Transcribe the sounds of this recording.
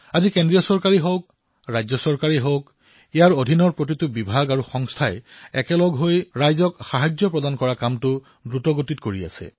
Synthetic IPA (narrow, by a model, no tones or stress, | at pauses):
azikendɹijɔsɔɹkaɹiɦok̚ | ɹajzɔsɔɹkaɹiɦowk | ijaɹodʱinɔɹpɹot̬itʊbibʱaɡaɹuxɔŋstʰajɛkɛlɔɡɦojɹajzɔkxaɦajzjɔpɹɔdankɔɹakamtʊ | dɹutɔɡotitkoɹia̰sɛ̰